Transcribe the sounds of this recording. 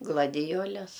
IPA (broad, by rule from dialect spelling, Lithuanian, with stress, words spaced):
ɡlˠɐdʲɪˈjoːlʲɛs